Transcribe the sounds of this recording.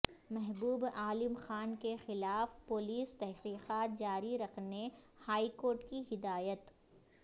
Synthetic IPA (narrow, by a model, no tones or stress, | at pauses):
mɛɦbuːbaːlɪmxaːnkexɪlaːfpʊliːst̪ɛɦqiːqaːt̪̚d͡ʒaːɾiɾɐqʰne | haːikoːɾʈkiɦɪd̪aːjət̪